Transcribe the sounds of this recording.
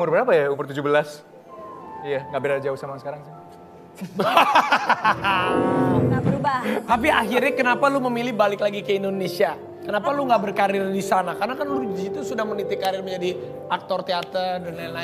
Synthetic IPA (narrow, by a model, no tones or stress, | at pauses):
mʊrbəɾapajaumʊrt̪ud͡ʒubəlas | jaŋɡaʔbiɾad͡ʒauhsamasə̥kaɾaŋsi | abəɾubat̪ap̬iaɦirɲakənapaluməmilɪhbalɪklaɡikəindonesia | kənapaluŋɡabərkaɾɪrdisanakarnakanlud͡ʒzit̪usudahmənit̪ɪkaɾɪrməɲd͡ʒadi | ʔak̚t̪ɔrt̪eat̪ərdanlanla